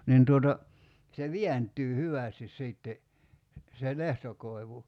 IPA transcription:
nin tuotɑ se ʋiæntˑyː hyʋæˑstis siˑtːe se lehtokoi̞ʋu

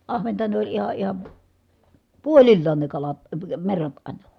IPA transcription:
ɑhʋentɑ ne olʲ ihɑ ihɑn̞ puolilːɑːn ne kɑlɑt əː merːɑt ɑˑinɑ

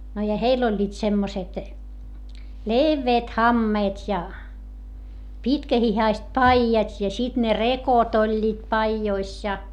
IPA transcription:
no jɑ heilː olʲːiːt semːoset leʋːeːt hɑmːeːtʲ jɑ pitkæhihɑist pɑijɑtʲ jɑ sit ne rekot olʲːiːt pɑijois jɑ

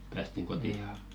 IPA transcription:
pæːstiŋ kotiɑ

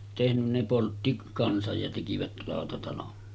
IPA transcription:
tehnyn ne poltːi kɑnsɑj jɑ tekiʋæt lɑˑotɑtɑlon

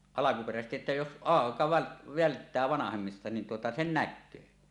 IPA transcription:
ɑlɑkuperæsestiʔ ʔetːæ jos ʔɑˑekɑ ʋæl ʋæltːæː ʋɑnɑhemːistɑ nin tuotɑ sen nækːøː

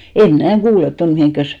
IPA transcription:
em mnæˑ kuːlet ton mihiˑŋkːæs

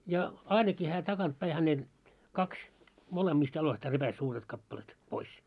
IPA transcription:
jɑ ɑinɑki hæː tɑkɑnt pæi hænelt kɑks molemːiːst jɑloistɑː repæs suːret kɑpːɑlet pois

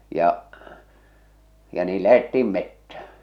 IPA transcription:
jɑʔ jɑ niː læhetːiːm metːæ

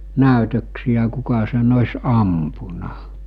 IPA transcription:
næˑytøksijæ kukɑ sen osʲ ɑmpunɑ

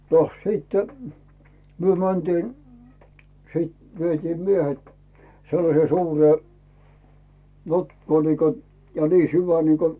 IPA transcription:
noh siːtːe̥ myø mæntiːn̞ siːt ʋietiːm miehet selːɑseː suːreː notkoː niːko jɑ niː syʋæ niːko

